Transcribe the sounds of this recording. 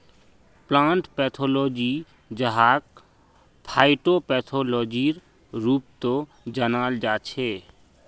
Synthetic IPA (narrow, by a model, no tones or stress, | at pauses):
plãːɳʈpɛːt̪ʰoːlɔːd͡ʒi | d͡ʒəɦaːk̚ | pʰaːɪʈopɛːt̪ʰoːlɔːd͡ʒiɾ | ɾuːp̚t̪o | d͡ʒənaːld͡ʒaːt͡ʃʰeː